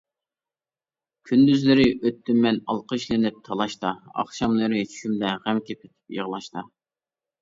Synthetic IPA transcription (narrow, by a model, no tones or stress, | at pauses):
kʲʰynd̪yzlɪɾɪʔøt̪ʰːymːɛnɑlˠqʰəʃlɪnɪp̚t̪ʰɑlˠɑʃt̪ɑɑ̰χʃɑmlˠɨɾɨt͡ʃʰy̥ʃymd̪ɛʁæmkʲepʰet̪ʰɪ̥pjə̰ʁlˠɑʃt̪ɑ